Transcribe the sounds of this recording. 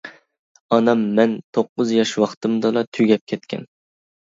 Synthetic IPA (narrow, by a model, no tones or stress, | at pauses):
ɒnɑmːænt̪ʰoqːʊzjɑʃwɑqt̪ɨmd̪ɑlˠɑt̪ʰʊɡʲɛp̚kʲʰet̪̚kʲʰɛ̰n